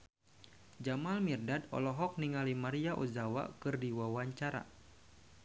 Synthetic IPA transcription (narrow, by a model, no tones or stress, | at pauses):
d͡ʒamalmirdadɔ̰lɔɦɔk̚niŋalimaɾiaʔuzawa̰kɨrdiwawaɲt͡ʃaɾa̰